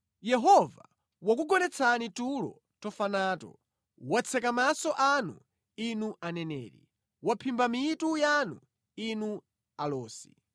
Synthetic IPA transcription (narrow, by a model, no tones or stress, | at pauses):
jɛɦɔva | wak̬uɡɔnɛt͡sʰanitulɔ̰ | tɔfanaːtɔ̰ | wat͡sʰɛkamasɔʔanṵ | inuʔanɛnɛːɾḭ | wapʰimbamitujanu | inu | alɔːsi